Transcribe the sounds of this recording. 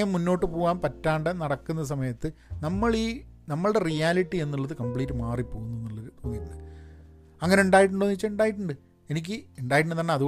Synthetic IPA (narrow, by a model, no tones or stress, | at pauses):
jɐmːunːo̞ːʈːɨpoːɣaːnpɐtːaːɳɖɐnɐɽɐkːunːɐs̬ɐmɐjɐt̪ːɨ | nɐmːɐɭiːnɐmːɐɭɽe̞rijaːliʈːie̞nːuɭːɐðɨkɐmpɭiːtːɨmaːripːoːɣunːuenːuɭːɐpoŋːiɾunːɨ | ɐŋːɐne̞uɳɖaːjiʈ̬ːuɳɖoːniʋit͡ɕːɐuɳɖaːjiʈ̬ːuɳɖɨ | e̞nik̬ʲːɨeɳɖaːjiʈ̬ːuɳːɨt̪ɐnːeɐðu